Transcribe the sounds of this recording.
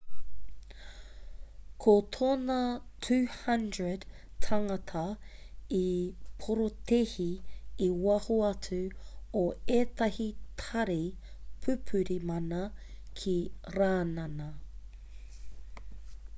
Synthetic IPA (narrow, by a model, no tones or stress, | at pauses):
kʰot̪ʰoːnɐtʰʉːhɐndɹəd | tʰɐŋɐtʰɐ | ipʰoɾot̪ʰehiː | wɐhoɐt͡sʉoeːt̪ɐhitʰɐɾi | pʰʉpʰʉɾimɐnɐ | kʰiɾaːnɐnɐ